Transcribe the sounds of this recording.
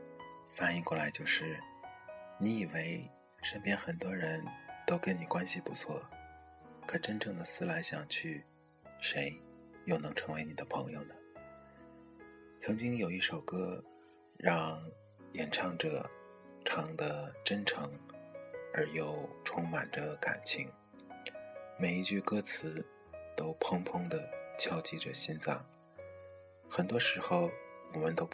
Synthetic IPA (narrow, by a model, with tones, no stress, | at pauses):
fa˧˥˩ni˧˥˧kwɔ˥˩la˧˥ɪt͡ɕjo˥˧ʊʂɻ̩˥˩ | ni˧˥i˨˩we˥ɪ | ʂə˥npjɛ˥nxə˨˩nt̪wɔ˥ɻə˧˥nt̪o˥ʊkə˧˥˩nni˨˩kwa˥nɕi˨˩pu˧˥t͡sʰwɔ̰˥˩ | kʰɤ˨˩ʈ͡ʂə˥nʈ͡ʂʰɤ˧˥ŋd̪ə˧sɹ̩˥la˧˥ɪɕjɑ˨˩ŋt͡ɕʰy˥˩ | ʂe˧˥ɪjo˥˩ʊnɤ˧˥ŋʈ͡ʂʰɤ˧˥ŋwe˧˥ɪni˨˩d̪ə˦pʰɤ˧˥ŋjo˨˧ʊnə˩ | t͡sʰɤ˧˥ŋt͡ɕi˥ŋjo˨˩ʊi˥˩ʂo˨˩ʊkɤ˥ | ɻɑ˥˧ŋ | jɛ˨˩nʈ͡ʂʰɑ˥ŋʈ͡ʂɤ̰˨˩ | ʈ͡ʂʰɑ˧˥ŋd̪ə˧ʈ͡ʂə˥nʈ͡ʂʰɤ˧˥ŋ | ə˞˧˥jo˨˩ʊʈ͡ʂʰʊ˥ŋma˨˩nd̪ə˦ka̰˨˩nt͡ɕʰḭ˧˥ŋ | me˨˩ɪi˧˥t͡ɕy˥˧kɤ˥t͡sʰɹ̩˧˥ | t̪o˥ʊpʰʊ˥ŋpʰʊ˥ŋd̪ə˨t͡ɕʰjɑ˥ʊt͡ɕi˥˩ʈ͡ʂɤ˨˩ɕi˥nt͡sɑ˥˩ŋ | xə˨˩nt̪wɔ˥ʂɻ̩˧˥xo˧ʊwɔ˨˩mə˦nt̪o˥ʊ